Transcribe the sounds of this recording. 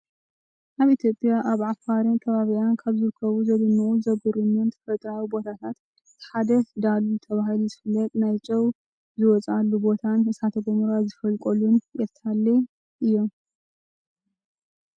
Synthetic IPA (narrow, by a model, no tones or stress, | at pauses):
ʔaβit̪ʰjo̞pʼjaʔaβʕafaɾink̪ʰɐβaβijankʰaβzɨɾɨkʰːɐβuzɐɡɨnːɐʔuzɐɡuɾumɨnt̪ʰfɐt̪ʼɾawibo̞t̪ʰat̪ʰat̪ | ɨ̥ħad̪ɐd̪alːut̪ʰɐβahiluzɨfɨlːɐt̪ʼnajt͡ʃʼɐw | zɨwɔt͡sʼalːubo̞t̪ʰanɨsat̪ʰɐɡomuɾazɨfɐlkʼolunʔɛɾt̪ʰalːe | ʔɨjːo̞m